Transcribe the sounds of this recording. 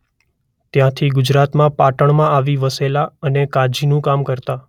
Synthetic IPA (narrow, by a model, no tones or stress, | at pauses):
t̪jãt̪ʰiɡʊd͡ʒɾat̪mãpaʈəɳ̃mãaʋiʋəselaənekad͡ʒinũkamkəɾt̪a